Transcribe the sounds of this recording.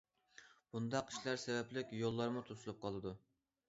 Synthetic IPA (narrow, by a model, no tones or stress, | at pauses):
b̥und̪ɑqʰːi̥ʃlˠɑɾsɛvɛplɪkʲjolˠːɑɾmut̪ʰosulˠup̚qʰɑlˠɨd̪u